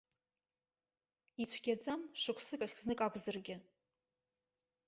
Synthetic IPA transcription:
it͡ɕʷʰɡʲad͡zamʂɨkʷʰsɨkʼaχʲznɨkʼaɡʷʰʼzɨrɡʲɪ

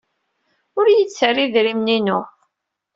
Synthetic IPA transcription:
ʊɾjət͡sːərːiðɾimninʊ

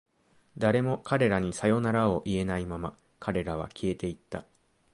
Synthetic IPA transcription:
d̪aɾe̞mo̞kaɾe̞ɾaɲ̟isajo̞naɾao̞ʔie̞naimama | kʰaɾe̞ɾaβ̞a̰kʲʰie̞t̪e̞it̪ːa

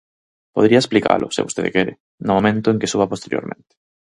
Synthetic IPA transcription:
poðɾiɐesplika̰lʔʊ̰sɪ̰βost̪eðḛkɛɾɪ | nʊmomẽnt̪ʊeŋkesuβɐpost̪eɾjo̰ɾmʔẽnt̪ɪ̥

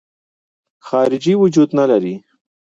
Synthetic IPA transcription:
xɑɾɪd͡ʒiwʊd͡ʒud̪nalaɾi

